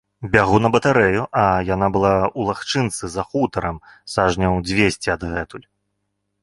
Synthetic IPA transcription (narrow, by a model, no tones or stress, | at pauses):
bʲaɣunɐbɐt̪aɾɛjuʔɐjanabɨlˠaulˠaxt͡ʂɨnt̪sɨzɐxut̪ɐɾɐmsaʐnʲɐwd͡zʲvʲesʲt͡sʲiɐd̪ɣɛt̪ulʲ